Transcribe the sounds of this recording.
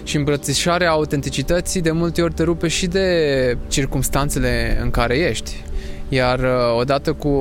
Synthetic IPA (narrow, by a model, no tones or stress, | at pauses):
ʃiɨmpɾət̪siʃaɾeaːut̪e̞nt̪it͡ʃit̪ət̪sijd̪e̞mult̪e̞o̞rʲt̪e̞ɾupe̞ʃid̪e̞t͡ʃirkumst̪ant̪se̞le̞ɨ̰ŋkaɾe̞je̞ʃt̪ʲjaro̞d̪at̪əku